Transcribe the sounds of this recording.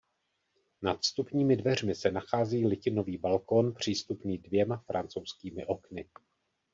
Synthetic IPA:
nat̪st̪upɲiːmɪdvɛr̝mɪsɛnaxaːziːlɪcɪno̞viːbalko̞npr̝̥iːst̪upniːdvjɛmafɾa̰nt͡so̞wskiːmɪʔo̞knɪ

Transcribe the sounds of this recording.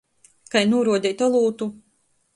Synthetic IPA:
kajnuɔɾuɔd̪ʲɛjt̪ɔlˠuːt̪u

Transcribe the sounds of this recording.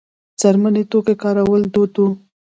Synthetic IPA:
t͡saɾmanet̪okekɑɾawəld̪ot̪u

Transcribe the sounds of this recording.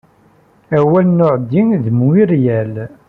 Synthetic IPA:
æwælnʊʕd̪ːiŋðəmwiɾjæl

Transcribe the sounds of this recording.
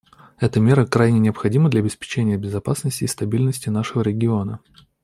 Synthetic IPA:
ɛt̪əmʲe̞ɾəkɾajnʲɪnʲɪɐpxɐdʲiməd̪lʲɐbʲɪspʲɪ̥t͡ɕenʲɪjəbʲɪzɐpasnəsʲtʲɪːst̪ɐbʲilʲnəsʲtʲɪnaʂɨvəɾʲɪɡʲɪo̞nə

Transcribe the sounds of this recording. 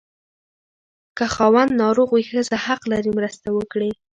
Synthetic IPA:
kəxɑwand̪nɑɾoɣwixəzahaqlaɾimɾəst̪awəkɽi

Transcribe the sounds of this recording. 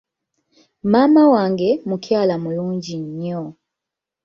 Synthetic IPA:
mamawaŋɡemukjalamuluːɲɟiɲɔ

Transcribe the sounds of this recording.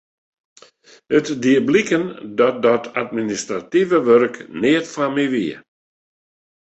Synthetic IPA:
ətdiəblikəndɔt̚dɔtʰatministrativəʋørknɪətfamiʋiə̰

